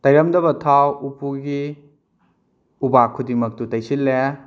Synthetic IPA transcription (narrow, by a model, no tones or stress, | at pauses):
tɐjɾɐmdɐbɐtʰawupuɡi | ubakʰːudimɐk̚tutɐjsilːe